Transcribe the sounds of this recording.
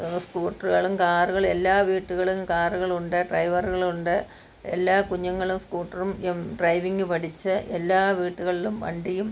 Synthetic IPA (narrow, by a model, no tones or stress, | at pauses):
skuːʈːɐruɣɐɭumkaːruɣɐɭe̞lːaːʋiːʈːuɣɐɭumkaːruɣɐɭuɳɖɨɖrɐjʋɐruɣɐɭuɳɖɨ | elːaːkuɲːɐŋːɐɭumskuːʈːɐrumɖrɐjʋiŋɡɨpɐʈʰit͡ɕːɨʔelːaːʋiːʈːuɣɐɭilumʋɐ̰ɳɖijum